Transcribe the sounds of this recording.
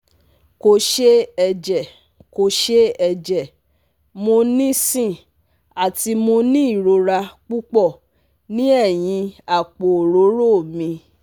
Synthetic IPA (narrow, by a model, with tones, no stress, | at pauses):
ko˨ʃe˦ɛ˧d͡ʒɛ˨ | ko˨ʃe˦ɛ˧d͡ʒɛ˨ | mo˧nĩ˦sĩ˦˨ | a˨ti˧mo˧nĩ˦i˦˨ɾo˧ɾa˧k͡pu˦k͡pɔ˦˨ | nĩ˦ɛ˦˨j̃ĩ˧a˦˨k͡po˨ɾo˨˦ɾo˦˨mĩ˧